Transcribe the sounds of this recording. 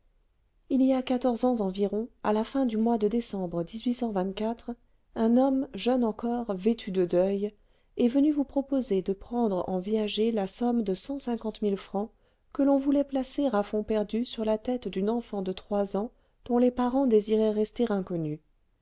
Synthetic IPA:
iliakat̪ɔʁzɑ̃zɑ̃viʁɔ̃a̰lafɛ̃d̪ymwad̪əd̪esɑ̃bʁəd̪izɥisɑ̃vɛ̃t̪kʲat̪χ | ɛ̃nɔmʒœnɑ̃kɔʁvet̪ʰyd̪əd̪œj | ɛvənyvupχɔpozed̪əpχɑ̃d̪ʁɑ̰̃vizaʒelasɔmd̪əsɑ̃sɛ̃kɑ̃t̪milfχɑ̃ | kəlɔ̃vulɛplaseʁafɔ̃pɛʁd̪ysyʁlat̪ɛt̪d̪ynɑ̃fɑ̃d̪ət̪χwazɑ̃ | d̪̥ɔ̃lepaʁɑ̃d̪eziʁɛʁɛst̪eʁɛ̃kɔny

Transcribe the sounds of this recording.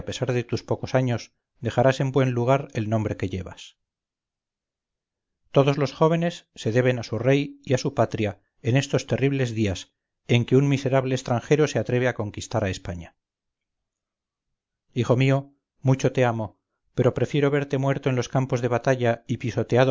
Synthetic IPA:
ape̞saɾðe̞t̪uspo̞ko̞saɲo̞s | d̪e̞xaɾase̞mbwe̞nluɣ̞aɾe̞lnõ̞mbɾe̞ke̞ʎe̞βa̰s | t̪o̞ðo̞zlo̞sxo̞β̞e̞ne̞sːe̞ðe̞β̞e̞nasure̞jiasupat̪ɾja | e̞ne̞st̪o̞st̪e̞riβ̞le̞zðias | e̞ŋkeunmise̞ɾaβle̞ːst̪ɾaŋxe̞ɾo̞se̞at̪ɾe̞βeako̞ŋkist̪aɾae̞spaɲa | ixo̞mio̞ | mut͡ʃo̞t̪e̞amo̞ | pe̞ɾo̞pɾe̞fjeɾoβe̞ɾt̪e̞mwe̞ɾt̪oenlo̞skampo̞zðe̞βat̪aʎaipiso̞t̪e̞aðo

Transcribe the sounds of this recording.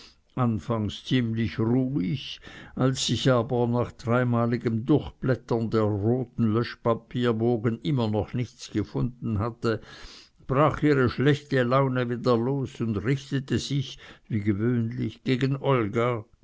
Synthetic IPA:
ʔanfaŋst͡siːmlɪçʁuːɪçʔalsːɪçaːbɐnaːχd̥ʁaɪmaːlɪɡəmdʊʁxb̥lɛtɐndeːɐʁoːtn̩lœʃpapʰiːɐboːɡənɪmɐnɔχnɪçt͡sɡ̥əfʊnd̥n̩hatə | b̥ʁaːχiːʁəʃlɛçtəlaʊnəviːdɐloːsʊndʁɪçtətəz̥ɪçviːɡəvøːnlɪçɡ̥eːɡənʔɔlɡa

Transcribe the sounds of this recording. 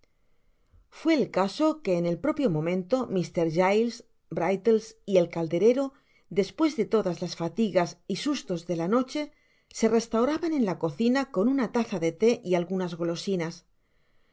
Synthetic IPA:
fwe̞ːlkaso̞ke̞ːne̞lpɾo̞pjo̞mõ̞mẽ̞nt̪o̞mist̪e̞ɾʝajls | bɾajt̪elsie̞lkald̪e̞ɾe̞ɾo̞ | d̪e̞spwe̞zðe̞t̪o̞ðazlasfat̪iɣasisust̪o̞zðe̞lano̞t͡ʃe̞ | se̞re̞st̪awɾaβane̞nlako̞θinako̞nunat̪aθaðe̞t̪e̞ʔialɣunazɣo̞lo̞sinas

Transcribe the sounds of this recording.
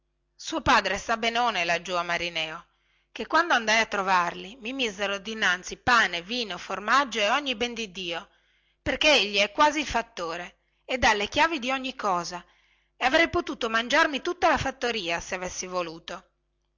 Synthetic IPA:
suːopaːd̪ɾesabenoːnelad͡ʒːuamaɾinɛːo | kekːwand̪oand̪ajat̪ːɾovarlimimizeɾod̪inːant̪sipaːneviːnoformad͡ʒːoeɔɲːibɛnd̪id̪iːo | perkeeʎːiɛkːwaːziːlfat̪ːoːɾeː | d̪ːalːek̟jaːvid̪iɔɲːikːɔːza | eavɾɛjpot̪uːt̪omand͡ʒarmit̪ut̪ːalafat̪ːoɾiːaseavesːivoluːt̪o

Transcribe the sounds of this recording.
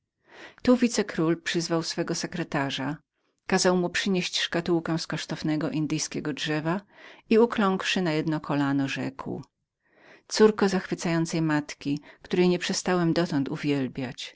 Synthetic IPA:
t̪uvʲit̪sɛkɾulpʂɘzvawsfɛɡɔsɛkɾɛt̪aʐa | kazawmupʂɘɲeɕt͡ɕʂkat̪uwkɛ̃skɔʂt̪ɔvnɛɡɔʔind̪ɘjskʲɛɡɔdʐɛvaiuklɔŋkʂɘnajɛd̪nɔkʰɔlanɔʐɛkw | t̪suɾkɔzaxfɘt̪sajɔnt̪sɛjmat̪kʲikt̪uɾɛjɲɛpʂɛst̪awɛmd̪ɔt̪ɔnt̪uvʲjɛlbʲjat͡ɕ

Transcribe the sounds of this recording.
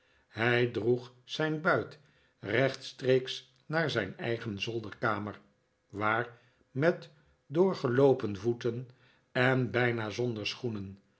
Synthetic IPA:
hɛjdruχsɛjnbœɥt | rɛχtstrejks | naːɹzɛjnɛ̰jχənzɔlˠdəɹkaːmər | ʋaːɹ | mɛt | dʊːɹχəlowpənvutən | ɛnbɛjnaːzɔndəɹsχunən

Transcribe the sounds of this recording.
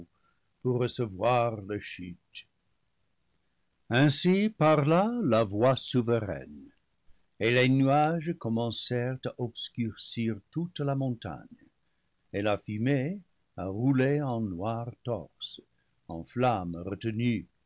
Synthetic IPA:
puʁːəsəvwaʁləʃyt | ɛ̃sipaʁlalavwasuvəʁɛ̰n | elenyaʒəkɔmɑ̃sɛʁtaʔɔbskyʁsiʁtutlamɔ̃ta̰ɲə | elafyme | aʁuleɑ̃nwaʁtɔ̰ʁs | ɑ̰̃flamʁətəny

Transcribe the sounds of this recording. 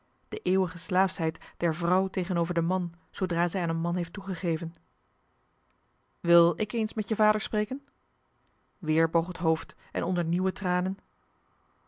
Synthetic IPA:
d̥əʔeːwəχəslaːfsɦɛjtd̥ɛɹvrʌwtejχənowvəɹdəmɑn | z̥owdraːzɛjaːnənmɑnɦejftuχəχejvən | ʋɪlˠɪkejnsmɛtjəvaːdəɹspreːjkən | ʋɪːɹbowχətɦowft | ʔɛ̰nɔndəɹniwətraːnən

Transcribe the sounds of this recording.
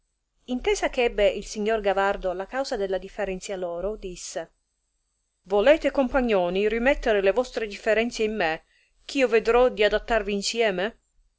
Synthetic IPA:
int̪eːzakeɛbːeilsiɲːorɡavard̪olakawzad̪elːad̪ifːeɾɛnt̪sjalɔːɾod̪isːe | volɛːt̪ekompaɲːɔːnirimɛt̪ːeɾelevɔst̪ɾed̪ifːeɾɛnt̪seimːe | k̟ʰiːoved̪ɾɔd̪iad̪at̪ːarviːnsjɛːme

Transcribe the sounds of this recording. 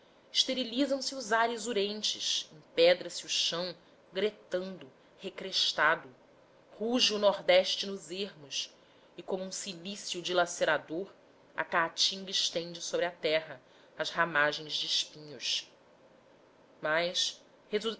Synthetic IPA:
ɪʃt̪eɾilizɐ̃w̃sɪuzaɾɪzuɾẽnt͡ʃɪ̰ʃẽpɛd̪ɾɐsiuʃɐ̃w̃ | ɡɾet̪ɐ̃nd̪ʊ | hekɾeʃt̪ad̪ʊ | huʒiunɔɾd̪ɛʃt͡ʃɪnʊzeɦmʊs | ɪkõmʊũsilisjud͡ʒilaseɾad̪oɾ | ɐ̰kat͡ʃĩŋɡɐɪʃt̪ẽnd͡ʒɪsobɾɪɐt̪ɛɦɐ | ɐzhamaʒẽj̃zd͡ʒɪiʃpĩɲʊʃ | majs | hez

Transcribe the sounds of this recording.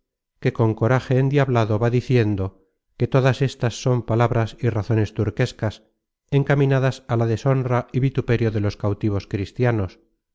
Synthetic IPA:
ke̞ko̞ŋko̞ɾaxe̞ːnd̪jaβlaðo̞βaðiθje̞nd̪o̞ | ke̞t̪o̞ðase̞st̪asːo̞mpalaβɾasiraθo̞ne̞st̪uɾke̞skas | e̞ŋkamĩnaðasalaðe̞so̞nraiβit̪upe̞ɾjo̞ðe̞lo̞skawt̪iβ̞o̞skɾist̪jano̞s

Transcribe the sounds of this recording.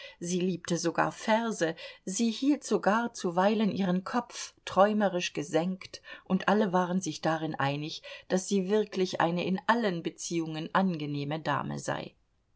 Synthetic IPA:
ziːliːp̚tʰəzoɡa̰ːɐfɛɐzəziːhiːltz̥oɡaːɐt͡suvaɪlənʔiːʁ̞ənkʰɔpp͡ftʁ̥ɔʏməʁɪʃɡ̥əzɛŋktʔʊntʔaləvaːʁənzɪçd̥aʁɪnʔaɪnɪçd̥asz̥iːvɪɐklɪçʔa̰ɪnəʔɪnʔalənbət͡siːʊŋənʔanɡəneːməda̰ːmə̰za̰ɪ

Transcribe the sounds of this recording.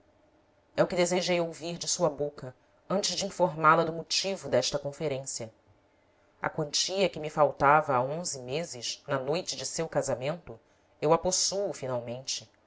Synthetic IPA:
ɛʊkɪd̪ezeʒejowviɾd͡ʒɪsuɐbokɐ | ɐ̃nt͡ʃɪʒd͡ʒɪĩfoɾmalɐd̪ʊmut͡ʃivʊd̪ɛʃt̪ɐkõfeɾẽsiɐ | ɐ̰kwɐ̃nt͡ʃiɐkɪmifawt̪avɐaõzɪmezɪʃnɐnojt͡ʃɪd͡ʒɪsewkazamẽnt̪ʊ | ewaposuʊfinawmẽnt͡ʃɪ

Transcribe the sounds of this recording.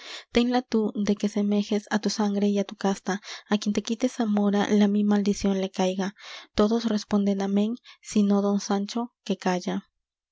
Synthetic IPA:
t̪enlat̪ud̪e̞kesemexesat̪usaŋɡɾeiat̪ukast̪aːkjent̪ekit̪esamoɾa̰lamimald̪isjonlekajɣat̪oðosrespond̪enameŋsinoðonsant͡ʃokekaʝa

